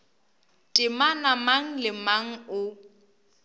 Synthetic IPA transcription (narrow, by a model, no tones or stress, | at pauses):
tʼɪmanamaŋ̩lɪmaŋ̩ʊ